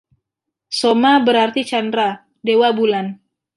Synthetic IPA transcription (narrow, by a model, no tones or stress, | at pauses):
somabəɾart̪it͡ʃandɾa | dewabulan